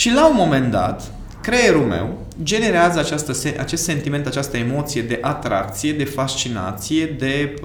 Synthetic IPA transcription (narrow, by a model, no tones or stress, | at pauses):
ʃilaumo̞me̞nd̪a̰t̪ | kɾeeɾume̞̰w | d͡ʒe̞ne̞ɾeazəat͡ʃast̪əseʔa̰t͡ʃe̞st̪se̞nt̪iment̪at͡ʃast̪əemo̞t̪sije̞d̪e̞ʔat̪ɾa̰k̚t̪sije̞d̪e̞fast͡ʃina̰t̪sije̞d̪e̞